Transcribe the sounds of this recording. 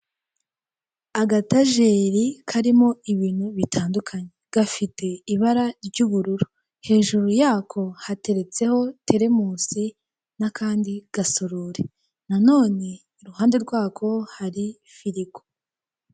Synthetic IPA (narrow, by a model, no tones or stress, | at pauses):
aɡataʒe̞ɾikʰaɾimo̞iβiːn̥huβitʰaːndukʰaɲe̞ɡ̥afitʰe̞iβaɾaɾɟuːβuɾuɾu | he̞ːʒuɾujaːkʰo̞hate̞ɾe̞t͡se̞ho̞tʰe̞ɾe̞muːsi | nakaːndiɡ̥asoɾoɾe | nano̞ːne̞ːɾuhaːnde̞ɾɡwaːkʰo̞haɾi | fiɾiko̥